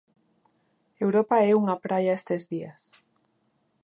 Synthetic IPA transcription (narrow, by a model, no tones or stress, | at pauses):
ewɾopaɛuŋapɾaʎaest̪ezðias